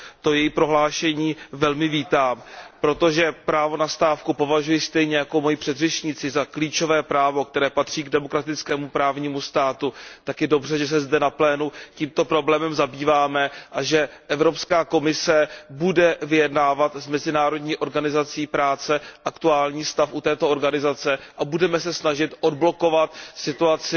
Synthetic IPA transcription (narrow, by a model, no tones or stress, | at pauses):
t̪o̞jɛjipɾo̞ɦlaːʃɛɲiːvɛlmɪviːt̪aːmpɾo̞t̪o̞ʒɛpɾaːvo̞nast̪aːfkupo̞vaʒujɪst̪ɛjɲɛjako̞mo̞jɪpr̥ɛd̪rɛʃɲɪt͡sɪzakliːt͡ʃo̞vɛːpɾaːvo̞k̚t̪ɛɾɛːpat̪r̝̥iːɡdɛmo̞kɾat̪ɪt͡skɛːmupɾaːvɲiːmust̪aːt̪ut̪akjɛdo̞br̝ɛʒɛs̬ɛzdɛnaplɛːnuciːmt̪o̞pɾo̞blɛːmɛmzabiːvaːmɛʔaʒɛʔɛvɾo̞pskaːko̞mɪsɛbudɛvɪjɛdnaːvat̪zmɛzɪnaːɾo̞dɲiːʔo̞ɾɡanɪzat͡siːpɾaːt͡sɛʔakt̪uaːlɲiːst̪afʔut̪ɛːt̪ooɾɡanɪzat͡sɛʔabudɛmɛs̬ɛsnaʒɪt̪ʔo̞dblo̞ko̞vat̪sɪt̪uat͡sɪ